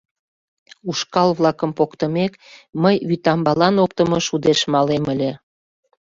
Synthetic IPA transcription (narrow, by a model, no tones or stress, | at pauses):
uʃkɑlβlɑkəmpokt̪əmekməjβyt̪ɑmbɑlɑnok̚t̪əmɤʃud̪eʃmɑleməlʲe